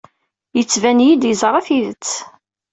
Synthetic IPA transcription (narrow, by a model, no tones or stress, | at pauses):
jət͡sːvænjid̪jəzɾˤɑθiðət͡sː